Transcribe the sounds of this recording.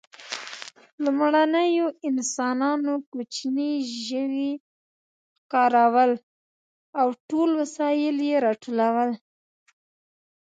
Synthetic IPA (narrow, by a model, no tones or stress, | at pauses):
lumɽanəjoɪnsɑnɑnokut͡ʃniʒəwi | xkɑɾawəl | awʈolwasɑjɪljeɾɑʈʰolawəl